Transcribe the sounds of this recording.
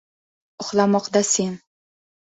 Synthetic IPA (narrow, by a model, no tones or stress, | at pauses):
ʊχlˠamɒqd̪ase̞n